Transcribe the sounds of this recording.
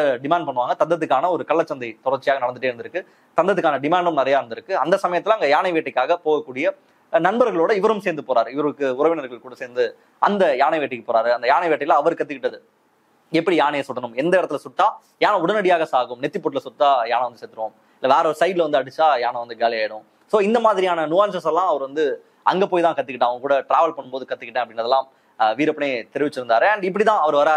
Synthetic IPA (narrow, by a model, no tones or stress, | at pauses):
ɐɖɪmaːɳɖpɐɳːɯʋaːŋɡɐt̪ɐnd̪ɐðɯkːaːnɐɔɾɯkɐɭːɐt͡ʃːɐnd̪ɐɪt̪ɔɽɐɾt͡ʃɪjaːɣɐnɐɽɐnd̪ɯʈːeːɾɯnd̪ɪɾɯkːɯ | t̪ɐnd̪ɐðɯkːaːnɐɖɪmaːɳɖɐmnɐɾɐjaːɪɾɯnd̪ɪɾɯkːɯɐnd̪ɐsɐmɐjɐt̪ːɪlaːɐŋɡɐjaːnɐɪʋeːʈːɐɪkːaːɣɐpoːɣɐkːuːɽɪjɐ | nɐnbɐɾɣɐɭoːɽɐɪʋɐɾɯmseːɾnd̪ɯpoːɾaːɾɯɪʋɐɾɯkːɯʊɾɐʋɪnɐɾɣɐɭkuːɽɐseːɾnd̪ɯ | ɐnd̪ɐjaːɳɐɪʋeːʈːɪkːɯpoːɾaːɾɯɐnd̪ɐjaːnɐɪʋeːʈːɐɪlãɐʋɐɾɯkːɐt̪ːɯkɪʈːɐðɯ | ɛpːɐɽijaːneːsʊʈːɐnɯmɛnd̪ɐɪɾɐt̪ːɪlsʊt̪ːaː | jaːnɐ̃ʊɽɐnɐɽɪjaːɣɐsaːɣɯmnɛt̪ːɪpːoːʈːɪlɐsʊt̪ːaːjaːnɐʋɐnd̪ɯseːt̪ɯɾɯʋõːm | ɪlːɐʋeːɾɐɔɾɯsɐɪɖɪlɐʋɐnd̪ɯɐɽɯt͡ʃːaːjaːnɐʋɐnd̪ɯɡaːlɪaːjɪɽɯʊ̃ | soːɪnd̪ɐmaːðɪɾɪjaːnɐnʊʋaːnsɐsɛlːãːɐʋɐɾʋɐnd̪ɯ | ɐŋɡepoːjt̪ãːkɐt̪ːɯkɪʈːãɐʋɐŋɡɐkuːɽɐʈɾaːʋɐlpɐɳːɯmpoːðɯkɐt̪ːɯkːɪʈːẽːɐpːɐɽɪnɾɐðɛlːãː | ʋiːɾɐpːɐɳeːt̪ɛɾɪʋɪt͡ʃːɪɾɯnd̪aːɾɯɐɳɖɪp̬ːɐɽit̪ãːɐʋɐɾɯʋɐɾaːɾ